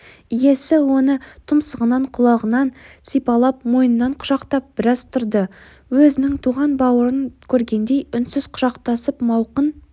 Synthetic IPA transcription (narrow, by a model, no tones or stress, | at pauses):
je̞sɪwo̞nət̪ʰʊmsəʁənɑɴqʰʊlˠɑʁənɑnsijpɑlˠɑpmo̞jnənːɑɴqʰʊ̥ʒɑqt̪ɑp̚b̥ɪɾɑzt̪ʰʊɾd̪ə | wɵzɪnɪŋt̪ʰuʁɑnbɑwəɾənkʲʰɵɾɡʲe̞nd̪e̞jʏnsɪz̥qʰʊ̥ʒɑqt̪ɑsəpmɑwqən